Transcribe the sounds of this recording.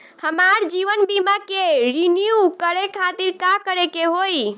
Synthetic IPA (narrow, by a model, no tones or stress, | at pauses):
həmaɾd͡ʒiʋənbimakeɾinijukəɾekʰat̪iɾkakəɾekeɦoj